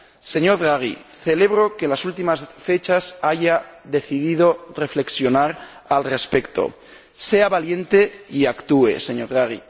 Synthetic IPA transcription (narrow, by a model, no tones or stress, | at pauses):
se̞ɲo̞ɾðɾaɣ̞ḭθe̞le̞βɾo̞ke̞lasult̪imasfe̞t͡ʃasaʝaðe̞θiðiðo̞re̞fle̞ksjo̞naɾ | alre̞spe̞kt̪o̞̰ | se̞aβalje̞nt̪e̞iakt̪uḛse̞ɲoɾðɾaɣ̞ḭ